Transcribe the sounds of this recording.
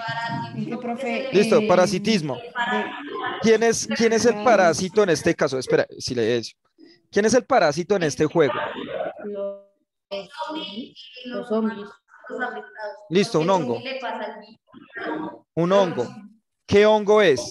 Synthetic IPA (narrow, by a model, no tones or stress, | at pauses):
list̪opaɾasit̪izmo | kjeneskje̞ne̞s̬e̞lpaɾasit̪o̞enest̪e̞kas̬oespeɾa̰sileso̥ | kje̞ne̞selpaɾas̬it̪o̞ene̞st̪e̞xwe̞ɣo̰ | list̪ounoŋɡo | unoŋɡo | ke̞o̞ŋɡo̞e̞s